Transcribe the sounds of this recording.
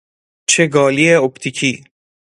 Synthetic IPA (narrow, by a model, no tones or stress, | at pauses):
t͡ʃʰeɡɒːlieopt̪ʰicʰiː